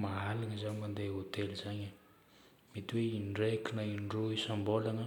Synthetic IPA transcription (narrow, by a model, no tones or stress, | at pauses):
maɦalaŋəzaɲmand̪eɦot̪elizaɲə | met̪iweinɖ͡ʐekinainɖ͡ʐoisambolanə